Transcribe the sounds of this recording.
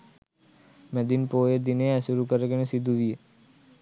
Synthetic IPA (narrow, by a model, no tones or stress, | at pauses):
mɛ̃d̪inpoːjed̪ɪneɛsʊɾukəɾekenesɪd̪ʱuʋie